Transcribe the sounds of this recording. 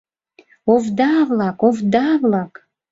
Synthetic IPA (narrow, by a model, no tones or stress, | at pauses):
ovd̪avlˠakovd̪avlˠak